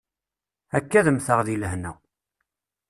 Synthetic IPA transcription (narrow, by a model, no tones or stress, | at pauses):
ækːæðəmθəʁðiləɦnæ̰